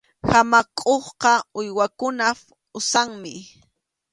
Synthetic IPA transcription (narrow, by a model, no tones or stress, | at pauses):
hamakʼoχqɑʊjwakʊna | ʊsaŋmɪ